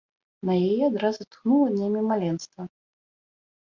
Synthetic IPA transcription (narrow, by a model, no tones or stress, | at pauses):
nɐjajɛad̪ɾazɨt̪xnulˠɐd̪ʲnʲemʲimalʲɛnst̪vɐ